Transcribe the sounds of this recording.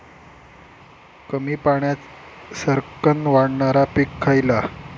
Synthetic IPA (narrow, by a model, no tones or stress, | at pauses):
kəmiːpaɳjat̪ | səɾkənʋaɽɳaɾapikʰːajla